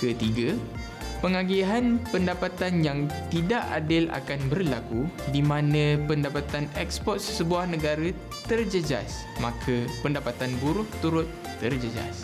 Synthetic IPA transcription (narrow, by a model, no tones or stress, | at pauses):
kət̪iɡə | pəŋaɡiɦanpəndapat̪anjaŋt̪idaʔa̰dɪla̰kanbərlakudimãnə̃pəndapat̪anɛkspɔt̪̚sə̥səbuahnə̃ɡaɾə | t̪ərd͡ʒəd͡ʒa̰s | makʰəpəndapat̪anbuɾʊht̪uɾʊt̪ːərd͡ʒəd͡ʒa̰s